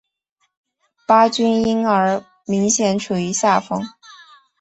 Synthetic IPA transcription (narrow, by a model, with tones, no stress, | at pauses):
pa˥t͡ɕy˥ni˥nə˞˧˥ | mi˧˥ŋɕjɛ˨˧˥nʈ͡ʂʰu˨˩i˧˥ɕja˥˩fɤ˥ŋ